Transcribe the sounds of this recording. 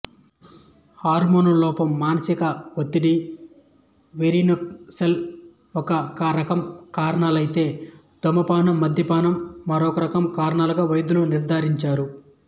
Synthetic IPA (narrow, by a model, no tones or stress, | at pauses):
haːɾmoːnulɔːpɐmːaːnɐsikɐʋot̪ːiɽi | ʋeɾinɐsel | ɔkɐkɐɾɐkɐmkaːɾɐɳaːlɐjt̪e̞ː | d̪̥ɔmːɐpaːnɐmːɐd̪ʱjɐpaːnɐmːɐɾɔːkɐɾɐkɐmkaːɾɐɳaːluɡaːʋɐjd̪uluniɾd̪ʱaːɾiɲt͡ʃaːɾu